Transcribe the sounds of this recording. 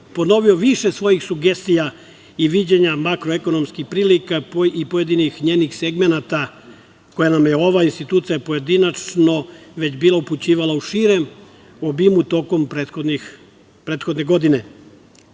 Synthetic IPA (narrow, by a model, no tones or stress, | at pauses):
po̞no̞ʋio̞ʋiʃe̞sʋo̞jixsuɡe̞st̪ija | iʋid͡ʑeɲamakɾoeko̞no̞mskixpɾiːlikaipoje̞d̪inixɲe̞ːnixseɡme̞nat̪a | ko̞janamjeoʋainst̪it̪uːt̪sijapo̞je̞d̪inat͡ʃno̞ʋe̞d͡ʑbiːlˠauput͡ɕiːʋalauʃiːɾe̞m | obimut̪o̞ko̞mpɾet̪xod̪nix | pɾe̞ːt̪xo̞d̪ne̞ɡo̞d̪ine̞